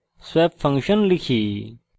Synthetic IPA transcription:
sweːpfɐ̃ŋkʃənlɪkʰiː

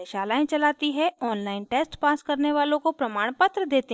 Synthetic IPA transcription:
eʃaːlaːẽt͡ʃɐlaːt̪iɦɛɔːnlaːɪnʈeːsʈpaːskɐɾneʋaːlõkopɾɐmaːɽ̃pət̪ɾəd̪eːt̪eɦ

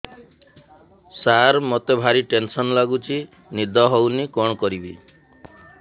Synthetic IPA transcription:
saɾmɔt̪ebʱaɾiʈensɔnlaɡut͡ʃʰi | nid̪ʱɔɦownikɔɳ̃ɔkɔɾibi

